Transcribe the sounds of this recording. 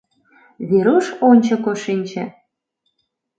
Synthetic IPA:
βeɾuʃonʲt͡ɕɤ̆koʃinʲt͡ɕḛ̆

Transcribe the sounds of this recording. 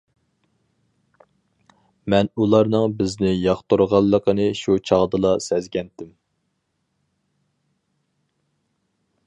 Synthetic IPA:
mɛnulˠɑɾnɨŋbɪznɪjɑχt̪uɾʁɑlˠːəqʰənɨʃut͡ʃʰɑʁd̪ɨlˠɑsɛzɡʲɛnt̪ɪm

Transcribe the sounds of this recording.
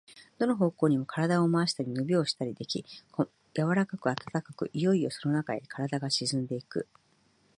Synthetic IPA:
d̪̥o̞no̞ɦo̞ːko̞ːɲ̟imo̞kaɾad̪aomaːɕi̥t̪aɾʲinobʲio̞ːɕi̥t̪aɾʲid̪e̞kʲikʰo | jaβaɾakakɯ̟at̪ḁt̪akakɯ̟ʔijo̞io̞sono̞nakaekʰaɾad̪aɡaɕizɨ̃nd̪e̞ikɯ̟̰

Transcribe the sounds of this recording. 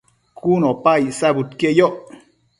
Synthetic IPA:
kʰunopaisabut̪kejoʔ

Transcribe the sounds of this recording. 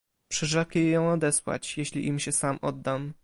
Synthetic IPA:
pʂɛʐɛkjɛjjɔ̃w̃ɔd̪ɛswa̰t͡ɕjeɕlʲiʔimɕɛsamʔɔd̪ːam

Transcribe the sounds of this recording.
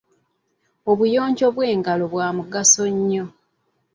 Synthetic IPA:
oβujo̞ːɲɟo̞βwe̞ːŋɡalo̞βwaːmuɡasoɲːo̞

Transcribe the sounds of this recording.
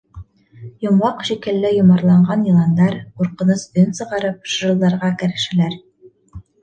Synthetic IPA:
jŏmwɑqʃikɘ̆lːɘjŏmɑɾlˠɑɴɢɑnjɤ̆lˠɑnd̪ɑɾquɾqɤ̆nɤsɵnsɤ̆ʁɑɾɤp̚ʃʒɤ̆lˠd̪ɑɾʁɑkɘ̆ɾɘ̆ʃælæɾ

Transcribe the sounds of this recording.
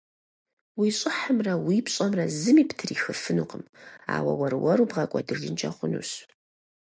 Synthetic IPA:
wiːɕʼɪħəmrɐwipɕʼɐmrɐzɨmiːptʰɨriːxɨfɨnuqʼəma̰ːwɐ̰wɐɾɨwɐɾuːbʁɐkʷʼɔdɨʒɨnt͡ʃʼɐχʷʊnṵɕ

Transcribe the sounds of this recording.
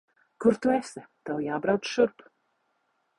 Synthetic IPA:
kʊɾt̪uɛsɛt̪awjaːbɾawt̪sʃuɾp

